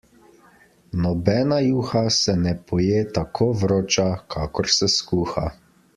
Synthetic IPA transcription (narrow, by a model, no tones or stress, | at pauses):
nɔbɛːnajuːxasɛnɛpʰɔjeːt̪akʰoːʋɾoːt͡ʃakʰaːkɔɾsɛskuːxa̰